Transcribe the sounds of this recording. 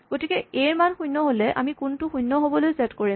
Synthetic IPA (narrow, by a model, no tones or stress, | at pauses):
ɡ̥otikɛejɹmanxujnːɔɦolɛʔa̰mikuntʊxujnːɔɦobɔlojsɛtkoɹi